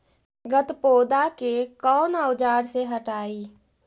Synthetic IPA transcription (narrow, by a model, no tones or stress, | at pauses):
ɡət̪poːd̪akekɔːnəwd͡ʒaːɾseɦəʈaːi